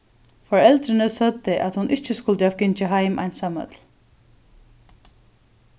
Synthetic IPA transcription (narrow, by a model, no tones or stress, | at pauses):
fɔɹɛlt̪ɾɪnɪsœt̪ːɪʔat̪hʊnʔɪht͡ʃːɪskʊlt̪ɪavkɪɲt͡ʃɪɦajmʔa̰jnsamœ̰t̪l